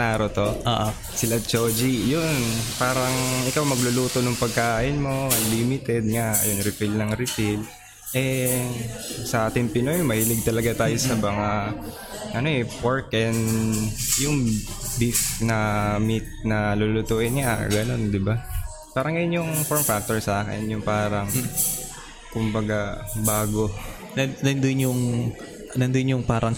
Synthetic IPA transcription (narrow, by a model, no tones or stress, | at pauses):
aːɾot̪oʔoːʔo | sɪlɐt͡ʃoːd͡ʒijonpaːɾɐŋʔɪkawmɐɡlʊluːt̪o̞nʊŋpɐɡ̚kaːʔɪnmo̞limɪt̪ɛd̪̚ŋaʔɐ̰joŋɾɪpilnɐŋɾɪpɪl | ʔɛ | sɐʔaːt̪ɪŋpɪnojmɐhilɪɡ̚t̪ɐlɐɡat̪aːjo̞sɐmɐŋa | ʔɐno̞ʔɛpoɹkʔɛnd̪jʊŋ | bifnɐmit̪̚nɐlʊlʊt̪uːʔɪnɲa̰ɡɐno̞nd̪ɪba | paːɾɐŋɡɐjonjʊŋfoɹmfak̚t̪oɹsaːkɛ̰njʊŋpaːɾɐŋ | kʊmbɐɡabaːɡo̞ | ɐɐnd̪ʊnjʊŋ | ɐnɐnd̪ʊnjʊŋpaːɾʔɐŋ